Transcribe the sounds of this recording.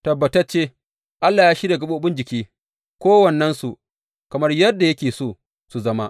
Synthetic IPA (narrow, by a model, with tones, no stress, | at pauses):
tɐ˨bːɐ˨tɐ˦rt͡ʃeː˦ | ʔa˦lːaː˨jaː˦ʃi˦ɾa˨ɡɐ˦ɓo˦˨ɓʊ˦nd͡ʒɪ˨kʲiː˦ | kʷoː˦wɐ˨nːɐ˦nsu˨ | kɐ˨mɐ˦rjɐ˦dːa˨jɐ˦kʲeː˨soː˦˨ | su˨zɐ˦ma˦ʔ